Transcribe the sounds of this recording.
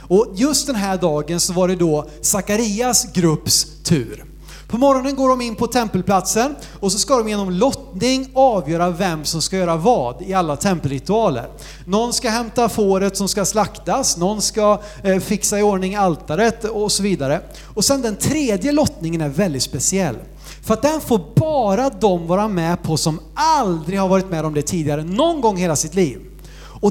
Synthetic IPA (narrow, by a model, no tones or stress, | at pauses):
ɔjɵst̪̚d̪ɛnɦæːɖɑːɡənsɔvaɖɛd̪ɔ | sakaɾiasɡɾɵpːst̪ʰʉ̟ːɾ | pʰɔmɔɾɔnənɡoːɖɔmɪnːpʰɔt̪ʰɛmpəlpʰlat̪sən | ɔs̬ɔskad̪ɔmjeːnɔmlɔt̪nɪŋɑːvjœːɾavɛmːsɔmskajœːɾavɑːd̪ɪalːat̪ʰɛmpəlɾɪt̪ɵɑːlə̰ɾ | nɔnːskaɦɛmt̪afoːɾət̪sɔmskaslakt̪asnɔnːska | fɪksaɪoɳɪŋalt̪aɾət̪ɔsɔviːd̪aɾə | ɔsɛnd̪ɛnt̪ʰɾeːd̪jəlɔt̪nɪŋənæɾvɛld̪ɪt̪spɛsɪɛlː | fœɾat̪̚d̪ɛnfoːɾbɑːɾad̪ɔmvɑːɾamɛpʰɔsɔmald̪ɾɪɡhaɾvɑːɾɪt̪mɛːd̪ɔmd̪ɛt̪ʰiːd̪ɪɡaɾənɔnɡɔŋːheːlasɪt̪liːv | ɔ